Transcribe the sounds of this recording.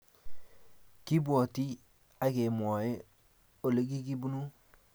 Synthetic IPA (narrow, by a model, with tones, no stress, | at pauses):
ki˦bu˦o˨ti˦ | a˦ke˨mo˨je˦ | o˨le˦ɡi˦ki˦bu˦nu˦